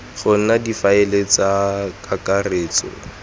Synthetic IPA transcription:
χʊn̩nadifaɪlet͡sakakareːt͡sɔ̰

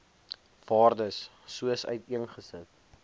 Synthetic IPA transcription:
vɑːrdəsː | uəsœ̰ɥtiənχəsət

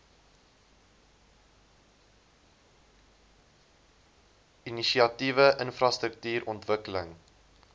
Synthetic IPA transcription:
iniʃiɐtivəʔənfrɑst̪ɾək̚tyːɾɔntvəkələŋ

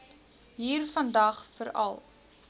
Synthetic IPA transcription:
ɦiːrfɐndɐχfəɾɐ̰lˠ

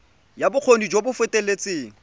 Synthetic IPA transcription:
jabʊk͡xʰonid͡ʒobʊfɪtʼelet͡sʼeːŋ̩

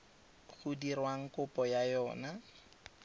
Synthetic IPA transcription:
ɣʊdirwaŋ̩kʊpʼɔjajɔːna

